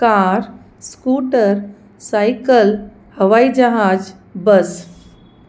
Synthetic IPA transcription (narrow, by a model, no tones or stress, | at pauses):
kaɾ | skuːʈəɾ | sajkəl | həʋaid͡ʒəɦaːd͡ʒ | bəs